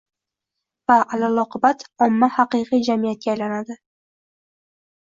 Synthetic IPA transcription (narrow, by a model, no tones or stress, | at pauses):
vaʔalalˠɒqɨbat̪ʰɒmːahɑqɨqʰɨjd͡ʒamijat̪̚kʲajlanad̪ɪ